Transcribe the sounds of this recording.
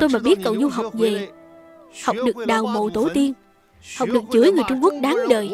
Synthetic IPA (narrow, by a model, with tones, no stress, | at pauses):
t̪o˧jmaː˨˩ɓi˦˥ət̚kə˨˩wzu˧ɦa˨˩wk͡p̚ve˨˩ | ha˨˩wk͡p̚ɗɨ˨˩ək̚ɗaː˨˩wmo̰˧˨t̪o˧˩˦t̪i˧ən | ha˨˩wk͡p̚ɗɨ˨˩ək̚t͡ɕɨ˨˧˦əjŋɨ˨˩əjt͡ɕʊ˧ŋ͡mku˦˥ək̚ɗaː˨˦ŋɗəː˨˩j